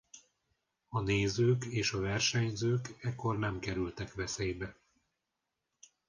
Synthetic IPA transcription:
ɒneːzøːkeːʃɒvɛrʃɛɲzøːkɛkːo̞rnɛmkɛɾylt̪ɛkʋɛseːjbɛ

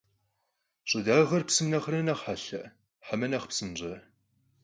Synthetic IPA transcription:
ɕʼɨdaːʁɐrpsɨmnɐχrɐnɐχħaɬɐ | ħamɐnɐχpsɨmʑɐ

